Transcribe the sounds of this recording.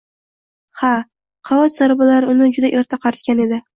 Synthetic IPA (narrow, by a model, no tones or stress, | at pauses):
ha | qʰɑɒt̪z̥aɾbalaɾɪʊnɪd͡ʒʊd̪aʔe̞ɾt̪ʰaqʰɑɾt̪̚kʲane̞d̪ɪ